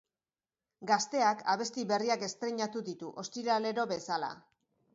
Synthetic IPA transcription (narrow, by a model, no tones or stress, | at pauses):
ɡast̪e̞akʰaβ̞e̞st̪iβe̞riake̞st̪ɾe̞ɲat̪uðit̪uʔo̞st̪iɾale̞ɾo̞βe̞sala̰